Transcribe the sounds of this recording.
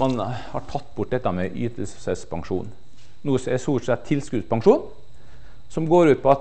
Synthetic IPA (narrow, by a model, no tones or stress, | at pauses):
ɑnhɑʈʰɑt̪ːbʊʈ̚ːd̪ɛt̪ːɑmɛʔy̰ːt̪əlssɛspʰɑŋʂṵːn | nuːəsɛsuːʂɛt̪t̪ʰːɪlskʉspʰɑŋʂuːn | sɔmɡoːɾʉːt̪̚pʰɔɑt̪